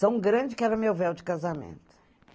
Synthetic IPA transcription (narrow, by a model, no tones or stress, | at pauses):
ɐ̃w̃ɡɾɐ̃d͡ʒɪkɛɾɐmewvɛwd͡ʒɪkazɐmḛ̃nt̪ʊ̥